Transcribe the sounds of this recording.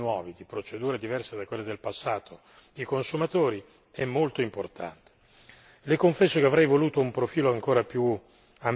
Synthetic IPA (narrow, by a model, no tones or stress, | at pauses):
nwɔːvid̪ipɾot͡ʃed̪uːɾed̪ivɛrsed̪akwelːed̪elpasːaːt̪ʰo | ikonsumat̪oːɾi | ɛmːolt̪oimport̪ʰa̰nt̪e̥ | lekoɱfɛsːokeavɾɛjvoluːt̪oumpɾofiːloaŋkoːɾapju | am